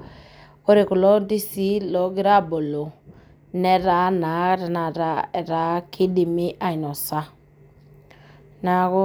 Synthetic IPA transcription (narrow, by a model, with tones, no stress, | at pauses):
o˦ɾe˨ku˨lɔ˦ndi˦si˦lɔ˨˦ɡi˦ɾa˦bo˨lo˨ | nɛ˦ɾa˨˦na˨˦ɾa˨na˨ɾa˦ɛ˨ɾa˨˦kʰi˦di˨mi˦ʔa˨i˨nɔ˨sa˦ | na˨ɣo˦